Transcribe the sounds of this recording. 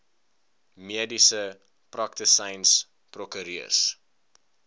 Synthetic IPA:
miədisə | prɐk̚təsəjns | prɔkəɾiə̰s

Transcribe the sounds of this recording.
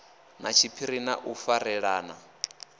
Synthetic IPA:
nat͡ʃʰipʰiɾina̰ʔufaɾɛɺaːna

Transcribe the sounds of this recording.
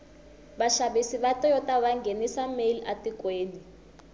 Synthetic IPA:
ɓaʃaɓisiβatʼɔjɔtʼaβaŋɡʱenisameliʔatikʼweːni

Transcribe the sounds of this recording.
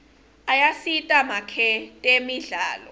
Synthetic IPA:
ajasitʼamakʰɛtʼemiɮaːlɔ

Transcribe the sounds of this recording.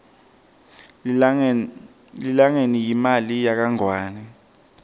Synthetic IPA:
lilaŋenijimalijak̬aŋwaːnɛ

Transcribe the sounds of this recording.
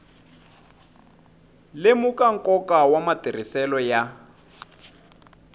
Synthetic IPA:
lemukaŋ̩kɔkawamatir̤isɛlɔja

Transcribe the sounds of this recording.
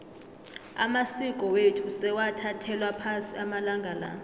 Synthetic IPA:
a̰masik̬ʼɔwetʰusɛwatʰatʰɛlwapʰasiamalaŋɡʱala̰

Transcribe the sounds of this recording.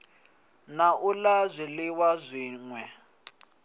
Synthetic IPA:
naʔulazʷilɪwazʷiːŋwɛ

